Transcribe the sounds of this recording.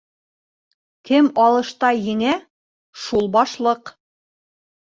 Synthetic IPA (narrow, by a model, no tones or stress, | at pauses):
kɘmɑlˠɤ̆ʃt̪ɑjɘ̆ŋæ | ʃulˠbɑʃlˠɤq